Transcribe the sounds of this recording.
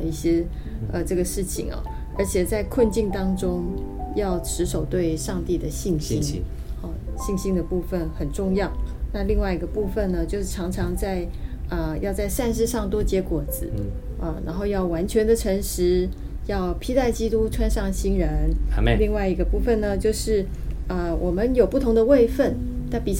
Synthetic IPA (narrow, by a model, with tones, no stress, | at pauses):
i˥˩ɕjɛ˥ | ə˧ʈ͡ʂɤ˥˩ɡə˩ʂɻ̩˥˩t͡ɕʰḭ˨˩ŋɐ̰˨˩ | ə̰˞˧˥t͡ɕʰjɛ˨˩t͡sa˥˧ɪkʰwə˥˧nt͡ɕi˥˩ŋt̪ɑ˥ŋʈ͡ʂʊ˥ŋ | jɑ˥˩ʊʈ͡ʂʰɻ̩˧˥ʂo˨˩ʊt̪we˥˩ɪʂɑ˥˧ŋt̪i˥˩d̪ə˩ɕi˥˩ŋɕi˥n˥˧ | ɕi˥˩ŋɕi˥ŋd̪ə˨pu˥˧fə˥˩nxə˨˩nʈ͡ʂʊ˥˧ŋjɑ˥˩ʊna˥˧li˥˧ŋwa˥˩ɪi˧˥ɡə˧pu˥˧˩fə˥˩nnə˩t͡ɕjo˥˧ʊʂ̩˥˩ʈ͡ʂʰɑ˧˥ŋʈ͡ʂʰɑ˧˥ŋt͡sa˥˧ɪə˧jɑ˥˧ʊt͡sa˥˧ɪʂa˥˧nʂ̬ɻ̩˥˧ʂɑ˥˩ŋt̪̬wɔ˥t͡ɕjɛ˧˥kwɔ˨˩d͡zɹ̩˧˦ | ʔə˧na̰˧˥nxo˥˧ʊjɑ˥˩ʊwa˧˥nt͡ɕʰɥɛ˧˥nd̪ə˨ʈ͡ʂʰə˧˥ŋʂɻ̩˧˥ | jɑ˥˩ʊpʰi˥t̪a˥˩ɪt͡ɕi˥t̪u˥ʈ͡ʂʰwa˥nʂɑ˥˩ŋɕi˥nɻə˧˦˥nli˥˧ŋwa˥˩ɪi˧˥ɡə˧pu˥˧fə˥˩nnə˩t͡ɕjo˥˧ʊʂɻ̩˥˩ | ə˧wʔɔ˨˩mə˦njo˨˩ʊpu˥˩t̪ʰʊ˧˥ŋd̪ə˧we˥˧ɪfə˥˩n | na˥˩pi˨˩